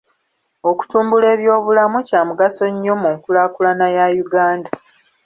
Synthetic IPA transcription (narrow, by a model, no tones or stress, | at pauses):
o̞ku̥tuːmbule̞ːβjo̞ːβulamucaːmuɡaso̞ɲːo̞muŋkulaːkulanajajuɡaːnda